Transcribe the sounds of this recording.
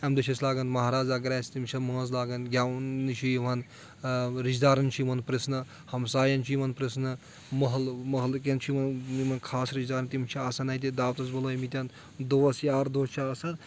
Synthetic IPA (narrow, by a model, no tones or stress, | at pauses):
ɐmd̪ɐt͡ʃʰɐslaːɡɐnmɐɦaːɾaːzɐɡɾaːst̪imt͡ʃʰɐmɐ̃ːzlaːɡɐnɡʲjawnit͡ʃʰiʋɐn | ɾid͡ʒd̪aːɾɐnt͡ʃʰimɐnpɾisnɨ | hɐmsaːjɐnt͡ʃʰimɐnpɾisnɨ | mɐɦɐlmɐɦlkent͡ʃʰimɐnimɐnkʰaːsɾid͡ʒd̪aːɾɐnt̪imt͡ʃʰiaːsɐnɐjt̪̬id̪aːwt̪ɐs̬bɐloːjmit̪ʲɐn | d̪oːɐsjaːɾd̪oːst͡ʃʰiaːsɐn